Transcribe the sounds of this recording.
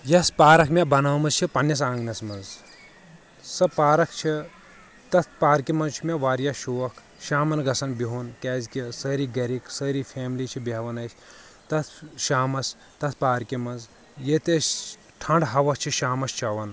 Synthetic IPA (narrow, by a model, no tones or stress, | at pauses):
jɐspaːɾɐkʰmʲebɐnɐːmɐzt͡ʃʰipɐnːɐs̬ãːŋɡnɐsmɐnz | sɐpaːɾɐkʰt͡ʃʰi | t̪ɐt̪ʰpaːɾkimɐnzt͡ʃʰimʲeʋaːɾjaːʃuːʋɐkʰ | ʃaːmɐnɡɐsɐnbiɦunkɛːzʲkʲisəːɾiːɡɐɾiksəːɾifʰʲeːmliːt͡ʃʰibʲiɐʋɐnɐsʲ | t̪ɐt̪ʰʃaːmɐs | t̪ɐt̪ʰpaːɾkʲimɐnz | jet̪es | ʈʰɐɳɖɦɐʋɐk̚t͡ʃʰiʃaːmɐst͡ʃʰɐʋɐn